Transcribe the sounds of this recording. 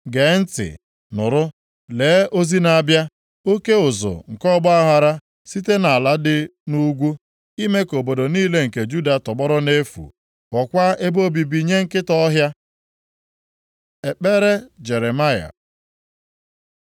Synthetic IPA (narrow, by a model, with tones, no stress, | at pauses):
ɡe˨˦n̩˦tɪ̰˨ | nʊ̰˨ɾʊ˦ | leː˨˦o˦zi˦na˨bja˦ | o˦ke˦ʊ˨zʊ̰˨ŋ̩˨kɔ˦bɔ˦a˦ɦa˨ɾa˦ | si˦te˦na˨la˦dɪ˦nu˦ɡʷu˦ | i˦me˦ko˨bo˨do˨niː˦le˦ŋ̩˨ke˨d͡ʒu˦da˨tɔ˨ɡ͡bɔ˦ɾɔ˦ne˦fṵ˨ | kɔ˨kʷa˦e˦bo˦bi˨bi˨ɲe˦ŋ̩˦kɪ˦tɔ˦ɦja˦ | e˨k͡pe˦ɾe˦d͡ʒe˨ɾe˨ma˦ja̰˨